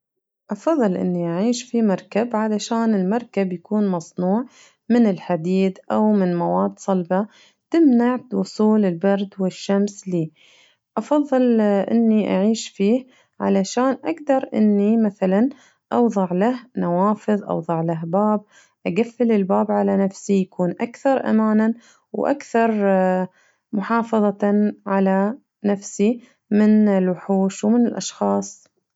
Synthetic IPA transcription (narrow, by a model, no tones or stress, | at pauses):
ʔɑfɑðˤːɨlʔɪ̰nːiʔaʕiːʃfimɑɾˤkabʕalaʃaːnɪlmɑɾˤkabjakuːnmɑsˤnuːʕ | mɪnɪlħad̪iːd̪ʔawmɪnmawaːd̪sˤɑlba | t̪ɪmnaʕwʊsˤuːlɪlbɑɾˤd̪wɪʃːamsliː | ʔɑfɑðˤːɨlʔɪ̰nːiʔa̰ʕiːʃfiːh | ʕa̰laʃaːnʔaɡd̪ɑɾˤʔɪ̰nːimaθalan | ʔɑwðˤɑʕlahnawɑːfɨðˤʔɑ̰wðˤɑʕlaɦbaːb̚ | ʔaɡafːɪlɪlbaːbʕalanafsijakuːnʔakθɑɾˤʔa̰maːna | wʔa̰kθɑɾˤ | mʊħɑːfɑðˤɑʕala | nafsi | mɪnɪlwʊħuːʃwmɪnɪlʔɑʃxɑːsˤ